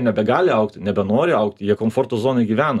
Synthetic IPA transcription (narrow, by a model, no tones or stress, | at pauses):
nʲɛbʲɛɡɑːlʲɪɐʊkt̪ʲnʲɛbʲɛnoːɾʲɪɐʊkt̪jiɛkoːmfoːrt̪ozoːnɐɪɡʲiːʋʲæːnɐ